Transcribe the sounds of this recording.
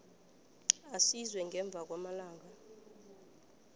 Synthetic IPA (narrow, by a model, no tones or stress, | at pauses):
asizwɛŋɡʱɛɱb̪vʱak̬ʼwamalaːŋa